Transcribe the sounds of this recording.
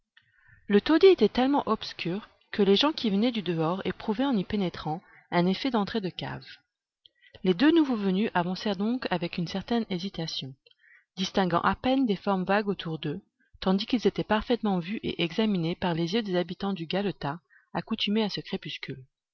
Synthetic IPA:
lət̪od̪iet̪ɛt̪ɛlmɑ̃ʔɔbskʲʰyʁ | kəleʒɑ̃kʲivənɛd̪yd̪əɔʁepχuvɛɑ̃nipenet̪χɑ̃ | ɛ̃nefɛd̪ɑ̃t̪χed̪əka̰v | led̪ønuvovənyʔavɑ̃sɛʁd̪ɔ̃kavɛkynsɛʁt̪ɛnezit̪asjɔ̃ | d̪ist̪ɛ̃ɡɑ̰̃ʔapɛnd̪efɔʁmvaɡot̪ʰuʁd̪ø | t̪ɑ̃d̪ikilzet̪ɛpaʁfɛt̪mɑ̃vyʔḛʔɛɡzaminepaʁlezjød̪ezabit̪ɑ̃d̪yɡalot̪a | akut̪ymeasəkχepyskʲyl

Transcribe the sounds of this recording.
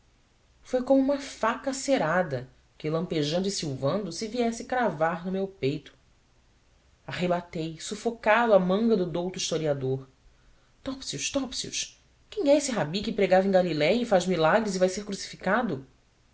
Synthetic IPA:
fojkõmʊũmɐfakɐseɾad̪ɐ | kɪlɐ̃mpeʒɐ̃nd̪ʊɪsiwvɐ̃nd̪ʊsɪviɛsɪkɾavaɾnʊmewpejt̪ʊ̥ | ahebat̪ejsufokad̪ʊamɐ̃ŋɡɐd̪ʊd̪owt̪ʊiʃt̪oɾiad̪oɾ | t̪ɔpsiuʃt̪ɔpsiṵʃ | kẽj̃ɛesɪɦabikɪpɾeɡavẽɡalilɛjɐifaʒmilaɡɾɪzivajseɾkɾusi̥fi̥kad̪ʊ

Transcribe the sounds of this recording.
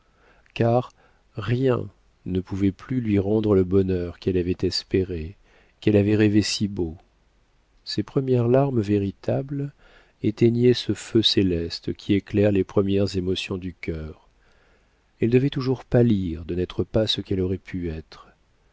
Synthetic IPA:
kaʁː | jɛ̰̃ | nəpuvɛplylɥiʁɑ̃d̪ʁələbɔnœʁkɛlavɛt̪ɛspeʁe | kɛlavɛʁevesibo | sepχəmjɛʁlaʁmveʁit̪ʰabl | et̪ɛnjesəføselɛst̪kʲʰieklɛʁlepχəmjɛʁzemɔsjɔ̃d̪ykʲœʁ | ɛld̪əvɛt̪uʒuʁpaliʁd̪ənɛt̪χəpasəkɛlɔʁɛpʰyɛt̪χ

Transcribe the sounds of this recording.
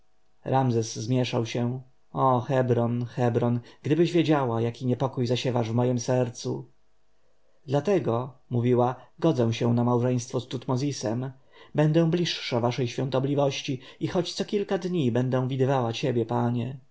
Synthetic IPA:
ɾʔamzɛzːmʲjɛʂawɕɛ̃ | ɔxɛbɾɔnxɛbɾɔnɡ̥d̪ɘbɘʑvʲjed͡ʑawajakʲiɲɛpɔkujzaɕɛvaʐvmɔjɘmsɛɾt̪sṵ | d̪lat̪ɛɡɔmuvʲiwaɡɔd̪zɛ̃w̃ɕɛw̃namawʐɛj̃st̪fɔst̪ut̪mɔzʲisɛm | bɛnd̪ɛ̃w̃blʲiʂʂavaʂɛjɕfʲɔ̃nt̪ɔblʲivɔɕt͡ɕiixɔt͡ɕt̪sɔkʲilkad̪ɲibɛnd̪ɛ̃w̃vʲid̪ɘvawat͡ɕebʲjɛpaɲɛ

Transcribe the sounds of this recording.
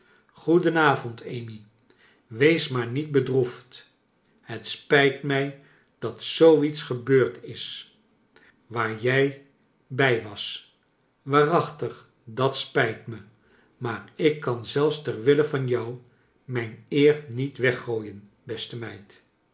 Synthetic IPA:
χudənaːvɔntʰejmi | ʋejsmaːɹnit̚bədruft | hətspɛjtmɛj | d̥ɑtsowitsχəbøːɹtʰɪs | ʋaːɹjɛj | bɛjʋɑs | ʋaːrɑχtəχ | dɑtspɛjtmə | maːɹɪkːɑnzɛlˠfstɛɹʋɪləvɑnjɑw | mɛjnɪːrnitʋɛχːoːjən | bɛstəmɛjt

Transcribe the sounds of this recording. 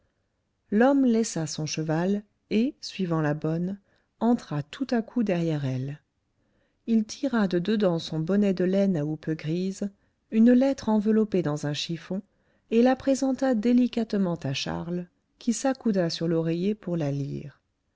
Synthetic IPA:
lɔmlɛsasɔ̃ʃəval | esɥivɑ̃labɔn | ɑ̃t̪χat̪ʰut̪akʰud̪ɛʁjɛʁɛl | ilt̪ʰiʁad̪əd̪əd̪ɑ̃sɔ̃bɔnɛd̪əlɛnaupøɡʁiz | ynlɛt̪χɑ̃vəlɔped̪ɑ̃zɛ̃ʃifɔ̃ | elapχezɑ̃t̪ad̪elikat̪mɑ̃t̪aʃa̰ʁl | kʲisakud̪asyʁlɔʁejepuʁlalḭːʁ

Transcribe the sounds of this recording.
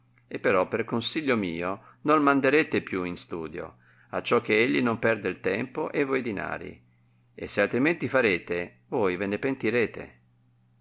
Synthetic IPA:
epːeɾɔpːerkonsiʎːomiːo | nolmand̪eɾeːt̪epjuinst̪uːd̪jo̰ | at͡ʃːɔk̟ːeeʎːinompɛrd̪eilt̪ɛmpoʔevːɔjd̪ina̰ːɾḭ | esːealt̪ɾiment̪ifaɾeːt̪e | vojvenepent̪iɾeːt̪ḛ

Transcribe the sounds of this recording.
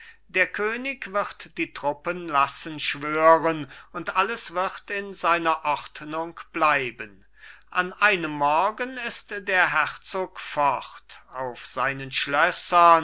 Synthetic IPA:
d̥eːɐkʰøːnɪkv̥ɪʁtd̥iːtʁ̥ʊpənlasənʃv̥øːʁənʊntʔaləsv̥ɪʁtɪnzaɪnɐʔɔʁtnʊŋkb̥laɪbən | ʔanʔaɪnəmːɔʁɡənɪstd̥eːɐɦɛʁt͡soːkfɔχtaʊfz̥aɪnənʃlœsɐ

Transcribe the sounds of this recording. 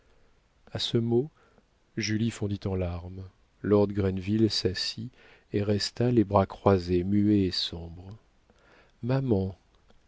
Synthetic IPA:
asəmo | ʒylifɔ̃d̪it̪ɑ̃laʁm | lɔʁd̪ɡʁɛnvilsasi | eʁɛst̪alebʁakχwazemyeːsɔ̃bʁ | mamɑ̃

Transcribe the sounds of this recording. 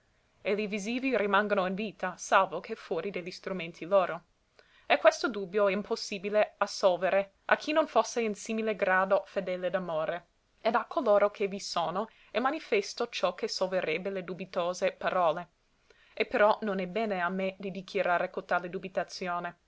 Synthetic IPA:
eliviziːviɾimaŋɡonoinviːt̪asalvokʰefwɔːɾid̪eʎːist̪ɾumẽnt̪ʰiloːɾo | ekːwest̪od̪uːbjoɛimpʰosːiːbileasɔlveɾe | ʔa̰kʰinonfosːeinsiːmileɡɾaːd̪ofed̪ɛled̪amoːɾe | ed̪akʰːoloːɾokʰevisoːno | ɛmanifɛst̪ot͡ʃɔkesolveɾɛbːeled̪ubit̪oːzepaɾɔːle | epeɾɔnonɛbɛːneamed̪id̪ikʰjaɾaːɾekot̪aled̪ubit̪at̪sjoːne

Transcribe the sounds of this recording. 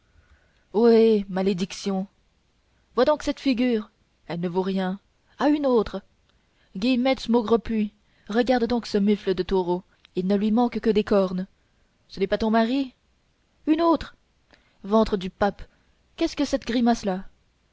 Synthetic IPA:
wemaled̪iksjɔ̃ | vwad̪ɔ̃ksɛt̪fiɡʲyːʁ | ɛlnəvoʁjɛ̃ | aynot̪χ | ɡʲimɛt̪smoɡʁəpli | ʁəɡaʁd̪d̪ɔ̃ksəmyfləd̪ət̪oʁo | ilnəlɥimɑ̃kkəd̪ekɔʁn | sənɛpat̪ɔ̃maʁi | ynot̪χ | vɑ̃t̪χəd̪ypap | kʲɛskəsɛt̪ɡʁimasla

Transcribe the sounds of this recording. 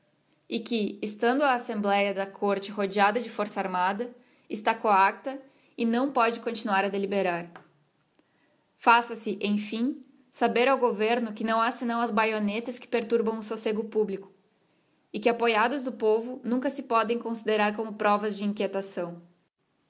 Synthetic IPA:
ɪkɪːst̪ɐ̃nd̪ʊɐːsẽmblɛjɐd̪ɐkʰoɾt͡ʃɪhod͡ʒiad̪ɐd͡ʒɪfoɾsɐaɾmad̪ɐ | ɪst̪akoak̚t̪ɐ | ɪnɐ̃w̃pɔd͡ʒɪkõt͡ʃinuaɾɐd̪elibeɾaɾ | fasɐsɪʔẽj̃fĩ | sabeɾawɡoveɾnʊkɪnɐ̃w̃asɪnɐ̃w̃ɐzbajonet̪ɐskɪ̥peɾt̪uɾbɐ̃w̃ʊsoseɡʊpublikʊ̥ | ɪkɪapojad̪ʊzd̪ʊpovʊnũŋkɐsɪpɔd̪ẽj̃kõsid̪eɾaɾkõmʊpɾɔvɐzd͡ʒɪĩŋkjet̪asɐ̃w̃

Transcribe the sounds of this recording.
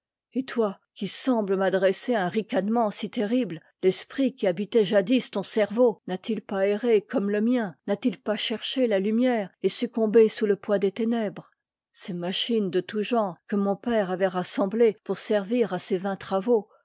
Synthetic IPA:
et̪wakʲisɑ̃bləmad̪ʁɛseaɛ̃ʁikʲad̪mɑ̃sit̪eʁibl | lɛspχikʲiabit̪ɛʒad̪ist̪ɔ̃sɛʁvonat̪ilpaeʁekɔmləmjɛ̃nat̪ilpaʃɛʁʃelalymjɛːʁesykɔ̃besuləpwad̪et̪enɛbʁ | semaʃind̪ət̪uʒɑ̃ʁkəmɔ̃pɛʁavɛʁasɑ̃blepuʁsɛʁviʁasevɛ̃t̪χavo

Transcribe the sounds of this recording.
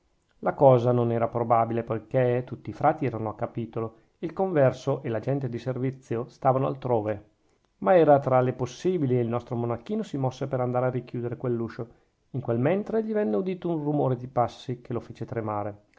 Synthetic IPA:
lakɔːzanonɛːɾapɾobabilepojket̪ut̪ːiːfɾaːt̪iɛːɾanoakːapiːt̪olo | ilkoɱvɛrsoʔelad͡ʒɛnt̪̬ed̪iservit̪sːjost̪aːvanoa̰lt̪ɾoːve | maɛːɾat̪ɾaleposːiːbiliilnɔst̪ɾomonakːiːnosimɔsːepeɾand̪aːɾearik̟juːd̪eɾekwelːuːʃo | iŋkwelmɛnt̪ɾeʎivɛnːeud̪iːt̪ounrumoːɾed̪ipasːikʰelofeːt͡ʃet̪ɾemaːɾe

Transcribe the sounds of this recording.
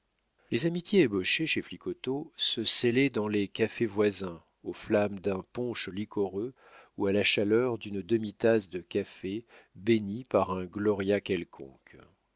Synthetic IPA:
lezamit̪jeːbɔʃeʃeflikɔt̪osəselɛd̪ɑ̃lekafevwazɛ̃ | oflamd̪ɛ̃pɔ̃ʃlikʰɔʁø | ualaʃalœʁd̪ynd̪əmit̪asd̪əkafebenipaʁɛ̃ɡlɔʁjakʲɛlkʰɔ̰̃k

